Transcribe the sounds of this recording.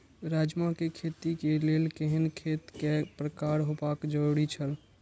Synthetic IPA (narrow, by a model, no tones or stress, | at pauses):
ɾaːd͡ʒmakekʰeːt̪ikeleːlkeɦənkʰeːt̪kepɾəkaːɾɦopaːkd͡ʒoɽit͡ʃʰəl